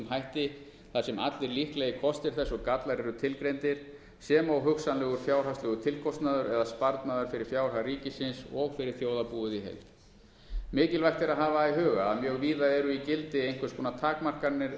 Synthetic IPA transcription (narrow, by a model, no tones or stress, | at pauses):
mɦajht̪ɪ | θasɛma̰t̪lɪɾlihklɛjɪkʰɔst̪ɪɾ̥θɛsːɔɣkat̪laɾɛɾʏt̪ʰɪlkɾejnt̪ɪɾ̥ | sɛmawɦʏksanlɛɣʏɾ̥fjaːwr̥awslɛɣʏt̪ʰɪlkʰɔst̪naðʏɾɛðaspaɾt̪naðʏɾ̥fɪɾɪɾ̥fjaːwr̥hariːcɪsɪnsɔɣfɪɾɪɾ̥θjoːwðapuːʏðiɦḛjlt̪ | mɪːcɪlvajxt̪ɪɾaðɦaːvaiɦœːɣaːðmjœɣviːðaɛɾʏicɪlt̪ɪejnkvɪɾskʰɔːnat̪ʰaːkmar̥kaɾnːɪɾ